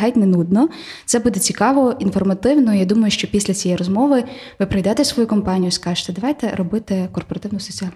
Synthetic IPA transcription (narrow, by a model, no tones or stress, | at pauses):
ɦajtʲnenud̪nɔ | t̪sɛbud̪ɛt͡sʲikɑʋɔinfɔrmɐt̪ɪwnɔjad̪umɐjʊʃt͡ʃɔpʲisʲlʲɐt͡sʲijɛjrɔzmɔʋɪ | ʋɪpɾɐjd̪ɛt̪esʋɔjukɔmpɑnʲijʊskɑʒe̥t̪ɛd̪ɐʋɑjt̪ɛɾɔbɪt̪ɪkɔrpɔɾɐt̪ɪwnʊsɔt͡sʲiɑlʲ